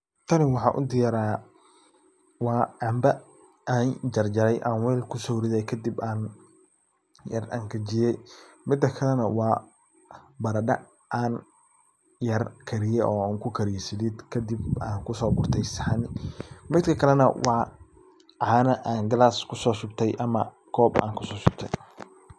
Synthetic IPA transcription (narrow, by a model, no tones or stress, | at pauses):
t̪ʰɐnɪwɑħɑːʔʊ̰d̪ɪjɐɾaː | wɑːʕɑmbɐ | ʔaːnd͡ʒɐrd͡ʒɐɾɛjʔaːnwɛːlkʰʊsɔhɾɪðɛjkʰɐd̪ibaːn | jɐrɐ̰ŋkʰɐd͡ʒɪjɛjmɪd̪ɐkʰɐlɛnɐwɑː | bɐɾɐɖɐ̰ | ʔaːn | jɐrkʰɐɾɪjɛɔːaːŋkʰʊkʰɐɾijsɪðid̪kʰɐd̪ibaːŋkʰʊsɔːbʊrt̪ʰɛjsħanmɪd̪kʰɐkʰɐlɛnɐ̰wɑː | ʕaːnɐʔaːnɡɐlaːskʰʊsɔːsʊbt̪ʰɛjʔɐmɐ̰ | kʰɔːba̰ːŋkʰʊsɔːsʊb̚t̪ʰɛj